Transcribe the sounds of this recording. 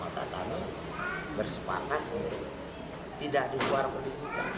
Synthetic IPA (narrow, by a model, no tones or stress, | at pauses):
mat̪a̰k̪a̰mi | bərsəpa̰kat̪̚ | t̪idaʔdiluarpəniɡuk̪a̰